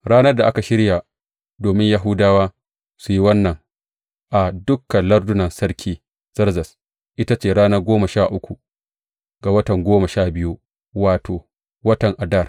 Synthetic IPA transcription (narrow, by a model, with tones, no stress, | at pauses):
ɽaː˦nɐ˦rda˨ʔa˦ka˨ʃɪ˦ɾja˨ | doː˨mɪ˦ɲja˦ɦʊ˦daː˦waː˦ | su˨ji˦wɐ˦nːɐ˨ŋ | ʔa˨dʊ˦kːɐ˨nlɐ˦rdʊ˦nɐ˨nsɐ˦ɽkʲʰiː˦ | z̥ɐ˦rzɐ˨s | ʔɪ˦ta˦t͡ʃeː˦˨ɽaː˦nɐ˦ɡʷoː˦ma˨ʃaː˦˨ʔʊ˦kʷu˨ | ɡa˨wɐ˦tɐ˨ŋɡʷoː˦ma˨ʃaː˦˨bɪ˦ju˦ | waː˨toː˨ | wɐ˦tɐ˨ŋʔa˨dɐ˦˨r